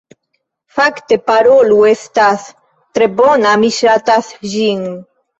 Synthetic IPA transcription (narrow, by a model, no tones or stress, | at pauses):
fakt̪epaɾoluest̪aθ | t̪ɾebonamiʃat̪aθʒiŋ